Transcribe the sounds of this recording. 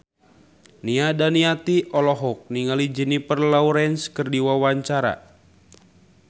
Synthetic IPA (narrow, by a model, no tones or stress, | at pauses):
niadaniat̪iʔɔlɔɦɔk̚niŋalid͡ʒinipərlauɾɛnskərdiwawaɲt͡ʃaɾa̰